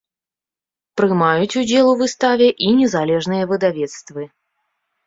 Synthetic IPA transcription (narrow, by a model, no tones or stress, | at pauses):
pɾɨmajut͡sʲud͡zʲɛlˠuvɨst̪avʲɛʔinʲɛzalʲɛʐnɨjɐvɨd̪avʲɛt̪st̪vɨ